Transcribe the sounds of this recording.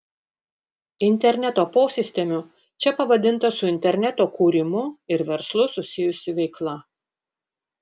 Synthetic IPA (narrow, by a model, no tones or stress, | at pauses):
ɪnʲt̪ʲɛɾʲnʲɛt̪oːpoːsʲɪsʲt̪ʲɛmʲʊ | t͡ʃʲɛpɐʋɐd̪ʲɪnˑt̪ɐsʊɪnʲt̪ʲɛɾʲnʲɛt̪oːkuːɾʲɪmʊɪɾʋʲɛɾslˠʊsʊsʲɪjʊsʲɪʋʲɛɪklˠɐ